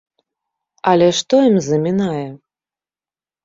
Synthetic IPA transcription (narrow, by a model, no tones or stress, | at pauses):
ɐlʲɛʂt̪ɔjimzɐmʲinajɛ